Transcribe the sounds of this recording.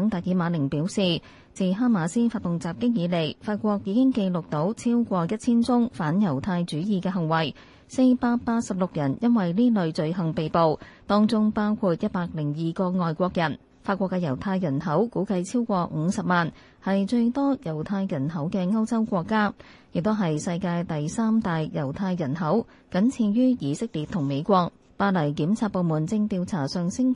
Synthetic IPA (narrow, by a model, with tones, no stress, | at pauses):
ŋt̪ɐ˨t̚jiː˨˧maː˨˧lɪ˨˩ŋpiː˨˥wsiː˨ | t͡siː˨˩ɦaː˥maː˨˩siː˥faː˧t̪̚ʊ˨ŋt͡saː˨p̚kɪ˥k̚jiː˨˧le˨˩jfaː˧t̚kʷɔː˧k̚jiː˨˧kɪ˥ŋke˧jlʊ˨k̚t̪o˨˥wt͡sʰiː˥wkʷɔː˧jɐ˥t̚t͡sʰiː˥nt͡sʊ˥ŋfaː˨˥njɐ˨˩wt̪ʰaː˧jt͡ʃyː˨˥jiː˨kɛː˧ɦɐ˨˩ŋwɐ˨˩j | se˧jpaː˧t̚paː˧t̚sɐ˨p̚lʊ˨k̚jɐ˨˩njɐ˥nwɐ˨jniː˥lɵ˨˧ɥt͡ʃɵ˧ɥɦɐ˨ŋpe˨jpo˨˧wt̪ɔː˥ŋt͡sʊ˥ŋpaː˥wkʰuː˧t̚jɐ˥t̚paː˧k̚lɪ˨˩ŋjiː˨kɔː˧ŋɔː˨jkʷɔː˧k̚jɐ˨˩n | faː˧t̚kʷɔː˧kːɛː˧jɐ˨˩wt̪ʰaː˧jːɐ˨˩nɦɐ˨˥wkuː˨˥kɐ˧jt͡sʰiː˥wkʷɔː˧ŋ̩˨˧sɐ˨p̚maː˨n | hɐ˨jt͡ʃɵ˧ɥt̪ɔː˥jɐ˨˩wt̪ʰaː˧jːɐ˨˩nɦɐ˨˥wkɛː˧ŋɐ˥wt͡sɐ˥wkʷɔː˧kːaː˥ | jɪ˨k̚t̪o˥ɦɐ˨jsɐ˧jkaː˧jt̪ɐ˨jsaː˥mt̪aː˨jjɐ˨˩wt̪ʰaː˧jːɐ˨˩nɦɐ˨˥w | kɐ˨˥nt͡sʰiː˧njyː˥jiː˨˧sɪ˥k̚liː˨t̪ʰːʊ˨˩ŋme˨˧jkʷɔː˧k̚ | paː˧tlɐ˨˩jkiː˨˥mt͡sʰaː˧t̚po˨˧wmuː˨˩nt͡sɪ˧ŋt̪iː˧wt͡sʰaː˨˩sœː˨ŋsɪ˥ŋ